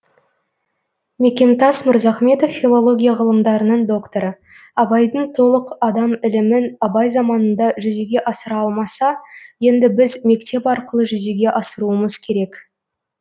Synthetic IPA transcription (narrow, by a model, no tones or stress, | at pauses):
me̞kʲe̞mt̪ɑsmʊɾzɑχme̞t̪ofːilˠo̞lˠo̞ɡʲijaʁəlˠəmd̪ɑɾənəɴd̪o̞kt̪oɾə | ɑbɑjd̪əɴt̪ʰo̞lˠəqɑd̪ɑmɪlɪmɪnɑbɑjzɑmɑnənd̪ɑʒʏzeɡʲe̞ʔɑsəɾɑlˠmɑsɑje̞nd̪ɪbɪzme̞kt̪e̞pɑɾqəlˠəʒʏzeɡʲe̞ʔɑsəɾuəməzkʲʰe̞ɾe̞k